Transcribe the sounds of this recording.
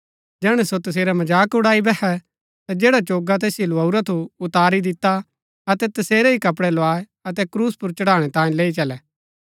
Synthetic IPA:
d͡ʒɛːɽ̃ɛsot̪ɐs̬eːɾɛmɐd͡ʒaːkʊɽaːibɛkɛ | t̪ad͡ʒeːɽat͡ʃoːɡat̪eːsiilʊaːuɾat̪ʰuʊt̪aːɾid̪ɪt̪a | ɐt̪ɛt̪ɐseːɾɛikɐp̬ɽɛloaːe | ɐt̪ɛkɾuːspʊɾt͡ʃɐɽaːɽ̃ɛt̪ãːĩleːit͡ʃɐlɛː

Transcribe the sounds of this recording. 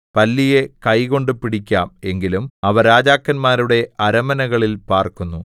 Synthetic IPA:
pɐlːije̞kɐjko̞ɳɖɨpiɽikʲːaːme̞ŋɡilumɐʋɐɾaːd͡ʑaːkːɐnmaːɾuɽe̞ɐɾɐmɐnɐɣɐɭilpaːrkunːu

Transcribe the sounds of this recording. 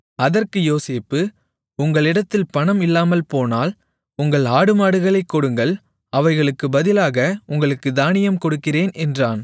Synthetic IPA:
ɐðɐrkɯjoːseːpːɯ | ʊŋɡɐɭɪɽɐt̪ːɪlpɐɳɐmɪlːaːmɐlpoːnaːl | ʊŋɡɐɭaːɽɯmaːɽɯɣɐɭɐɪkːɔɽɯŋɡɐɭ | ɐʋɐɪɣɐɭɯkːɯbɐðɪlaːɣɐʊŋɡɐɭɯkːɯd̪aːnɪjɐmkɔɽɯkːɪreːnʔɛndraːn

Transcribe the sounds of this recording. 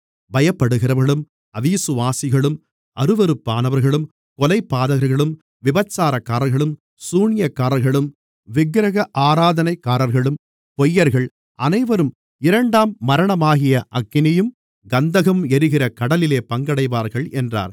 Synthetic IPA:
bɐjɐpːɐɽɯɣɪɾɐʋɐɭɯm | ɐʋiːsɯʋaːsɪɣɐɭɯm | ɐɾɯʋɐɾɯpːaːnɐʋɐɾɣɐɭɯm | kɔlɐɪpːaːðɐɣɐɾɣɐɭɯm | ʋɪbɐt͡ʃːaːɾɐkːaːɾɐɾɣɐɭɯm | suːɳɪjɐkːaːɾɐɾɣɐɭɯm | ʋɪɡɾɐɣɐʔaːɾaːðɐnɐɪkːaːɾɐɾɣɐɭɯm | pɔjːɐɾɣɐɭ | ʔɐnɐɪʋɐɾɯm | ɪɾɐɳɖaːmːɐɾɐɳɐmaːɣɪjɐʔɐkːɪnɪjɯm | ɡɐnd̪ɐɣɐmɛɾɯɣɪrɐkɐɽɐlɪleːpɐŋɡɐɽɐɪʋaːɾɣɐɭʔɛndra̰ːɾ

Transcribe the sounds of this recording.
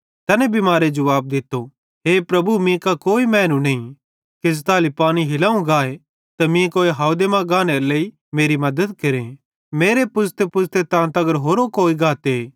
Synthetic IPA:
t̪ɐːnɛ̃bimaːɾed͡ʒɐʋaːb̚d̪ɪt̪ːo | ɦeːpɾɐbumĩkakoːimɛːnũnɐĩ | kɪzt̪aːlipaːñiɦɪlaːũɡaːe | t̪ɐmĩkoːeɦaːd̪emãɡaːneɾleːi | meːɾimɐd̪əd̪keɾẽ | meːɾepʊst̪epʊst̪et̪ãːnt̪ɐɡəɾɦoːɾokoːiɡaːt̪e

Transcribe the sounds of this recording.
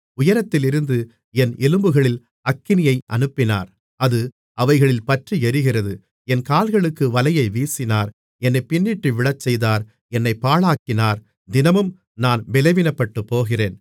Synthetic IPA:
ʊjɐɾɐt̪ːɪlɪɾɯnd̪ɯ | ɛnɛlɯmbɯɣɐɭɪl | ɐkːɪnɪjɐɪʔɐ̰nɯpːɪna̰ːɾ | ɐðɯ | ʔɐʋɐɪɣɐɭɪlpɐʈriɛɾɯɣɪrɐðɯ | ɛnkaːlɣɐɭɯkːɯʋɐlɐjɐɪʋiːsɪnaːɾ | ɛnːɐɪpːɪnːɪʈːɯʋɪɭɐt͡ʃːɛjðaːɾ | ɛnːɐɪpːaːɭaːkːɪnaːɾ | d̪ɪnɐmɯm | naːnmɛlɐʋɪnɐpːɐʈːɯpːoːɣɪreːn

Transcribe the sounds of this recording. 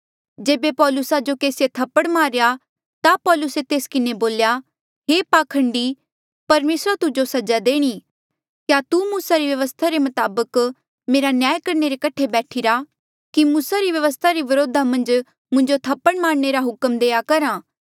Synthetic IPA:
d͡ʒeːbepɔːlʊsad͡ʒokeːsjet̪ʰɐpːəɽmaːɾeja | t̪apɔːlʊset̪eːskɪneboːlja | ɦeːpaːkʰɐ̃ɳɖi | pɐɾmeːsɾat̪ʊd͡ʒosɐd͡ʒad̪eːɽ̃iː | kjat̪umuːsaɾiʋjɐʋəst̪ʰaɾemɐt̪aːbək | meːɾanjaːjkɐɾneɾekɐʈʰːebɛːʈʰiɾa | kimuːsaɾiʋjɐʋəst̪ʰaɾiʋɐɾoːd̪ʱamɐ̃nd͡ʒ | mʊ̃ɲd͡ʒot̪ʰɐpːəɽmaːɾneɾaɦʊkəmd̪eːakɐɾãː

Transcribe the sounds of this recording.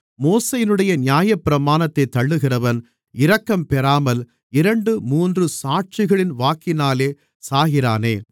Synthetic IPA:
moːsɐjɪnɯɽɐjɐnɪjaːjɐpːɪɾɐmaːnɐt̪ːɐɪt̪ːɐɭːɯɣɪrɐʋɐn | ɪɾɐkːɐmpɛɾaːmɐl | ɪɾɐɳɖɯmuːndrɯsaːʈ̚t͡ʃɪɣɐɭɪnʋaːkɪnaːleː | saːɣɪɾaːneː

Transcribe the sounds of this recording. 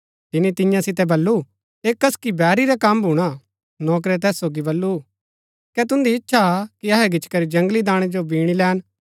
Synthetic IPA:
t̪ɪnːit̪ɪjãsɪt̪ɛbɐlːu | eːkɐskibɛːɾiɾɛkɐmbʱuɽ̃a | nɔːk̬ɾɛt̪̬ɛːsːoːɡibɐlːu | kɛt̪ʊ̃nd̪iɪtːʃʰakiɐɦɛɡɪt͡ʃkɐɾid͡ʒɐ̃ŋɡlid̪ãːɽ̃ɛd͡ʒobiːɽ̃ilɛːn

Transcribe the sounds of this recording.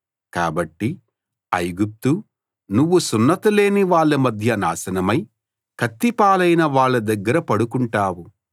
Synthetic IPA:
kaːbɐʈːi | ɐjɡup̚t̪u | nuʋːusunːɐt̪ule̞ːniʋaːɭːɐmɐd̪ʱjɐnaːsɐnɐmɐj | kʰɐt̪ːipaːlɐjnɐʋaːɭːɐd̪ɐɡːɐɾɐpɐɽukuɳʈaːwu

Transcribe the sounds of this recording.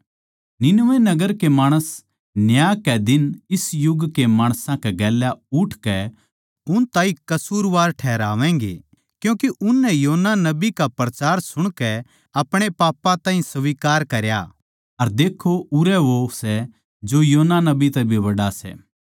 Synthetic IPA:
nɪnʋɛ̃nɐɡəɾkemaːɽ̃əs | njaːkɛd̪ɪnɪsjʊɡkemaːɽ̃sãkɛɡɛːljaʊʈʰkɛ | ʊnt̪aːikɐsuːɾʋaːɾʈʰɛːɾa̰ːʋɛ̃ːŋɡḛ | kjũːkeʔʊnːɛ̃joːnːanɐbikapɾɐt͡ʃaːɾsʊɽ̃kɛ | ɐpɽ̃epaːpːãt̪ãːɦĩsʋiːkaːɾkɐɾja̰ː | ɐɾd̪eːkʰːoʔʊɾɛʋosɛ | d͡ʒojoːnanɐbit̪ɛbʱiʋɐɽasɛ̰ː

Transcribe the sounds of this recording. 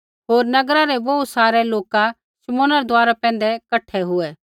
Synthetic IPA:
ɦoːɾnɐɡɾaɾɛbousaːɾɛloːka | ʃɪmõːnaɾɛd̪ʊaːɾapɛ̃ːnd̪ɛkɐʈʰːɛɦʊɛ

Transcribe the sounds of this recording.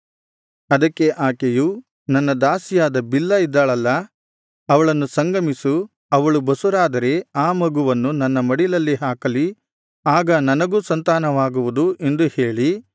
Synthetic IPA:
ɐd̪ɐkːeʔaːkeju | nɐnːɐd̪aːsijaːd̪ɐbilːɐid̪ːaːɭɐlːɐ | ɐʋɐɭɐnːusɐŋɡɐmisu | ɐʋɐɭubɐsuɾaːd̪ɐɾe̞aːmɐɡuʋɐnːunɐnːɐmɐɽilɐlːiɦaːkɐli | aːɡɐnɐnɐɡuːsɐnt̪aːnɐʋaːɡuʋud̪uʔe̞nd̪uhe̞ːɭi

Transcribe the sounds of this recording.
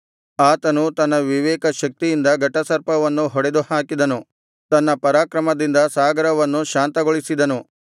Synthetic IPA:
aːt̪ɐnut̪ɐnːɐʋiʋɛːkɐʃɐk̚t̪ijind̪ɐɡɐʈːɐsɐɾpɐʋɐnːuɦɔɽe̞d̪uhaːkid̪ɐnu | t̪ɐnːɐpɐɾaːkɾɐmɐd̪ind̪ɐsaːɡɐɾɐʋɐnːuʃaːnt̪ɐɡoɭisid̪ɐnu

